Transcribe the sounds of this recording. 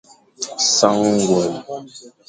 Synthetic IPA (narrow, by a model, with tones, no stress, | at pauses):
sa˦ŋŋ˦ɡwɛ˨l